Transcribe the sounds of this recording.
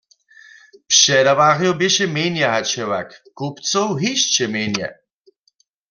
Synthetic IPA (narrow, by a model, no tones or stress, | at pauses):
pʂɛdaʋaɣjɔbeʃɛmenjaɦat͡ʃɛwa̰kkupt͡sowɦiʃt͡ɕɛmenjɛ̰